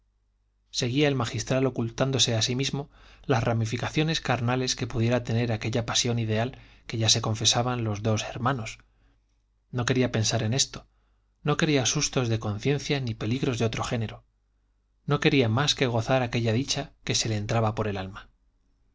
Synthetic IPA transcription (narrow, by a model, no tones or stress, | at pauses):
se̞ɣ̞iaelmaxist̪ɾalo̞kult̪and̪o̞se̞asimizmo̞lasramifikaθjo̞ne̞skaɾnale̞ske̞puð̞je̞ɾat̪e̞ne̞ɾake̞ʎapasjo̞nið̞e̞al | ke̞ʝase̞ko̞ɱfe̞saβanlo̞zðo̞seɾmãno̞s | no̞ke̞ɾiape̞nsaɾe̞ne̞st̪o̥ | no̞ke̞ɾiasust̪o̞zðe̞ko̞nθje̞n̟θjanipe̞liɣɾo̞zðeo̞t̪ɾo̞xe̞ne̞ɾo̞ | no̞ke̞ɾiamaske̞ɣ̞o̞θaɾake̞ʎaðit͡ʃake̞se̞le̞ːnt̪ɾaβapo̞ɾe̞lalma